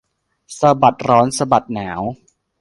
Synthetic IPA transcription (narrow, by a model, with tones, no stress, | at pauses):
sa˧ba˨˩t̪̚ɾɔː˦˥nsa˧ba˨˩t̪̚naː˩˦w